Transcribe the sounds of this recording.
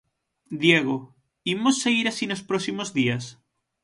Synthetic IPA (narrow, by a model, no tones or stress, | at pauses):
d̪jeɣo | imosːeɣiɾasinospɾosimozðias